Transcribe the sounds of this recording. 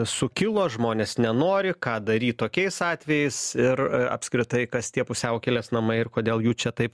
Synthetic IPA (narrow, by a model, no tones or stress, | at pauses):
sʊkʲɪlˠoːʒmoːnʲeːsnʲɛnoːɾʲɪkɑːd̪ɐɾʲiːtt̪ːoːkʲɛɪsɑːt̪ʲʋʲɛjɛɪsɪɾɐ̰pskɾʲɪt̪ɐɪkɐst̪ʲiɛpʊsʲɛʊkʲɛlʲeːsnɐmɐɪɪrkoːd̪ʲeːlˠjuːt͡ʃʲɛt̪ɐɪp